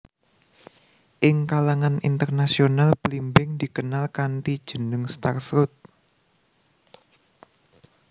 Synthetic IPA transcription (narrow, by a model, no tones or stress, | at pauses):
ʔɪŋkalaŋanḭnt̪ərnasionalbəlimbɪŋd̪̥ikənalkanʈid̥ʒ̥ə̤nəŋst̪arfɾut̪̚